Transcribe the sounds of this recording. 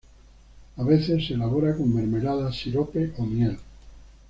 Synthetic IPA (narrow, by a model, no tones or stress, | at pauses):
aβe̞θe̞sːelaβo̞ɾakomːe̞ɾme̞laðasiɾope̞ʔomjel